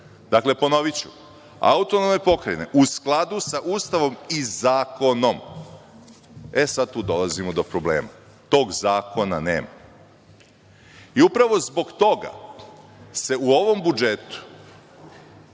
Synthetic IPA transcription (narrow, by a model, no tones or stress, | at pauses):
d̪̥akle̞po̞no̞ʋit͡ɕṵ | a̰ut̪ono̞mepo̞kɾene̞̰ʔusklˠad̪usaʔuːst̪aʋo̞mizaːko̞no̞m | esad̪̚t̪uːd̪o̞lˠazimod̪o̞pɾo̞blḛːma̰ | t̪o̞ːɡzaːko̞nane̞̰ːma̰ | iupɾaʋo̞zbo̞ɡt̪o̞ɡa̰ | se̞uoʋo̞mbud͡ʒet̪u̥